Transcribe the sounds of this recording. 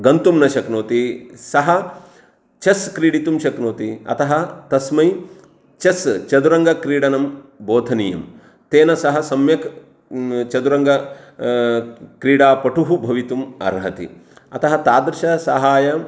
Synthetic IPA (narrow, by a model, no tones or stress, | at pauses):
ɡɐnt̪umnɐʃɐknoːt̪isɐɦɐ | t͡ʃɐskɾiːɽit̪umʃɐknoːt̪iɐ̰t̪ɐɦɐt̪ɐsmɐj | t͡ʃɐst͡ʃɐd̪uɾɐŋɡɐkɾiːɽɐnɐmboːd̪ʱɐnijɐm | t̪eːnɐsɐɦɐ̆sɐmjɐk | t͡ʃɐd̪uɾɐŋɡɐ | kɾiːɽaːpɐʈuɦubʱɐʋit̪umɐ̰ɾɦɐt̪ḭɐt̪ɐɦɐt̪aːd̪ɾɪʃɐsɐɦaːjɐ